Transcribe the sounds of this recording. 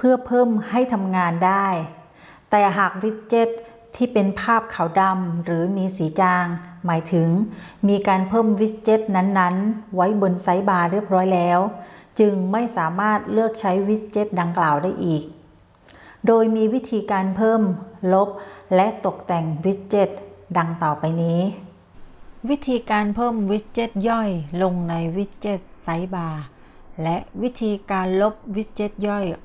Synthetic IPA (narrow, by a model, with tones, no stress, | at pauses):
pʰɯ˥˩ɐpʰɤː˥˩mha˥˩jt̪ʰa˧mŋaː˧ndaː˥˩j | t̪ɛː˨˩ɦaː˨˩k̚wi˦˥t̪̚t͡ɕe˦˥t̪ʰː | iː˥˩pe˧npʰaː˥˩p̚kʰa˨˩wda˧mɾɯː˩˦miː˧siː˩˦t͡ɕaː˧ŋmaː˨˦jt̪ʰɯ˩˦ŋmiː˧kaː˧npʰɤː˥˩mwi˦˥t̪̚t͡ɕe˦˥t̪̚na˦˥nːa˦˥nwa˦˥jbo˧nsa˦˥jbaː˧ɾi˥˩əp̚ɾɔː˦˥jlɛː˦˥wt͡ɕɯ˧ŋma˥˩jsaː˩˦maː˥˩t̪̚lɯ˥˩ək̚t͡ɕʰa˦˥jwi˦˥t̪̚t͡ɕe˦˥t̪̚da˧ŋklaː˨˩wdaː˥˩jʔiː˨˩k̚ | doː˧jmiː˧wi˦˥t̪ʰiː˧kaː˧npʰɤː˥˩mlo˦˥p̚lɛ˦˥ʔt̪o˨˩k̚t̪ɛ˨˩ŋwi˦˥t̪̚t͡ɕe˦˥˩t̪̚da˧ŋt̪ɔː˨˩pa˧jniː˦˥ | wi˦˥t̪ʰiː˧kaː˧npʰɤː˥˩mwi˦˥t̪̚t͡ɕe˦˥˩t̪̚jɔ˥˩jlo˧ŋna˧jwi˦˥t̪̚t͡ɕe˧˥˩t̪̚sa˦˥jbaː˧ | lɛ˦˥ʔwi˦˥t̪ʰiː˧kaː˧nlo˦˥p̚wi˦˥t̪̚t͡ɕe˦˥t̪̚jɔ˥˩j